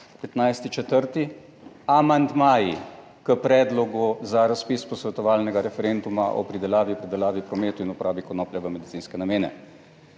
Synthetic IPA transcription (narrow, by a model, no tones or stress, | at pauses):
pɛt̪najst̪it͡ʃɛt̪əɾt̪i | amand̪maːji | kəpɾɛːd̪lɔɡuzaɾaspispɔsʋɛt̪ɔʋaːlnɛɡaɾɛfɛɾend̪umaʔɔ̰pɾid̪ɛlaːʋipɾid̪ɛlaːʋipɾɔmeːt̪uinupɔɾʔaːbikɔnɔːplɛʋɛmɛd̪it̪iːnskɛnameːnɛ̰